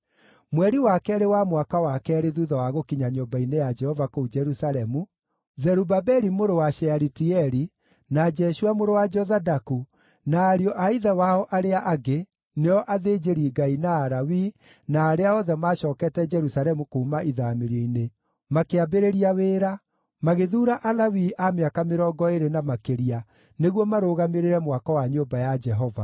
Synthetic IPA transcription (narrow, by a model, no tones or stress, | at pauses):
mwɛɾiwakɛɾewamwakawakɛɾeðuðɔwaɣokiɲaɲombainejad͡ʒɛhɔvakoud͡ʒɛɾusalɛmu | zɛɾubabɛɾimoɾowaʃɛaɾitiɛɾi | nad͡ʒɛʃuamoɾowad͡ʒɔzadaku | naːɾjɔʔaiðɛwaɔʔaɾeaʔaɡe | neɔʔaðeːd͡ʒeɾiɡainaːɾawi | naːɾeaɔðɛmaɕɔːkɛtɛd͡ʒɛɾusalɛmukuːmaʔiðaːmeɾɔine | makeabeɾeɾiaweːɾa | maɣeðuːɾaʔalawiʔameakameɾɔːɡɔeɾenamakeɾia | neɣwɔmaɾoːɣameɾeɾɛmwakɔwaɲombajad͡ʒɛɦɔva̰